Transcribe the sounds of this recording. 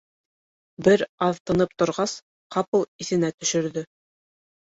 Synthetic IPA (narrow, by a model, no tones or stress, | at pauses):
bɘɾɑðt̪ɤ̆nɤp̚t̪ŏɾʁɑs | qɑpɤiθɘ̆næt̪ɵ̆ʃɵ̆ɾðɵ